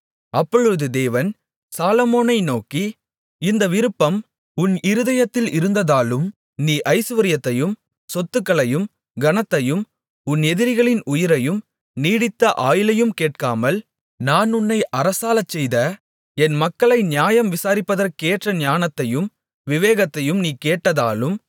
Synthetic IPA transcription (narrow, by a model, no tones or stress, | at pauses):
ɐpːɔɻɯðɯd̪eːʋɐn | saːlɐmoːnɐɪnoːki | ɪnd̪ɐʋɪɾɯpːɐm | ʊnɪɾɯðɐjɐt̪ːɪlɪɾɯnd̪ɐðaːlɯm | niːʔɐɪsɯʋɐɾɪjɐt̪ːɐjɯm | sɔt̪ːɯkːɐɭɐjɯm | ɡɐnɐt̪ːɐjɯm | ʊnɛðɪɾɪɣɐɭɪnʊjɪɾɐjɯm | niːɽɪt̪ːɐʔaːjɪlɐjɯmkeːʈ̚kaːmɐl | naːnʊnːɐɪʔɐɾɐsaːlɐt͡ʃːɛjðɐ | ɛnmɐkːɐɭɐɪnɪjaːjɐmʋɪsaːɾɪpːɐðɐɾkeːʈrɐnjaːnɐt̪ːɐjɯm | ʋɪʋeːɣɐt̪ːɐjɯmniːkeːʈːɐðaːlɯm